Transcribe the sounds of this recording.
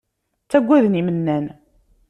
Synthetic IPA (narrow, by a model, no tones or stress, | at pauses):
t͡sːæɡʷːæðnimənːæn